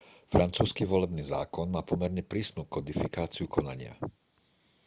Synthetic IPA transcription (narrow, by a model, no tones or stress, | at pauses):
fɾant͡suːskiʋɔlɛbniːza̰ːkɔnmaːpɔmɛɾɲɛpɾiːsnuːkɔd̪ifikaːt͡siukɔnaɲɪa̰